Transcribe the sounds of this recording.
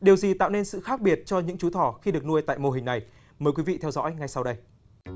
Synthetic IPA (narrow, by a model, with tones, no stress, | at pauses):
ɗi˨˩əwzi˨˩t̪a̰ː˧˨wne˧nsɨ̰˧˨xaː˦˥k̚ɓi˨˩ət̚t͡ɕɔ˧ɲɨ̰˧˥ŋt͡ɕu˨˦t̪ʰɔ˧˩xi˧ɗɨ˨˩ək̚nu˧əjt̪a̰ː˧˨jmo˨˩ɦï˨˩ŋ̟na˨˩j | məː˨˩jkwi˨˦vḭ˧˨t̪ʰɛ˧wzɔ̰˧˥jŋa˧jsa˧wɗə˧j